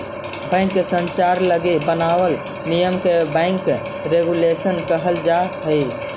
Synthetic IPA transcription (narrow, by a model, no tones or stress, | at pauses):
bɛ̃ɪŋkːesə̃nt͡ʃaɾləɡebənawəl | nijəmkebə̃ɪŋkː | ɾeɡulesənkəɦəld͡ʒaɦəi